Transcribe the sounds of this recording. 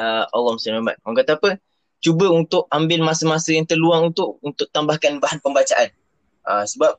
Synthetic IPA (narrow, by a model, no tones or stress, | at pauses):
əalːɔmustamama̰t̪̚məŋkat̪aapə | t͡ʃubəunt̪ʊʔambɪlmasəmasəjaŋt̪ərluaŋunt̪ʊʔunt̪ʊʔ̚t̪ambahkanbaɦanpəmbat͡ʃaʔan | ʔəsəbap̚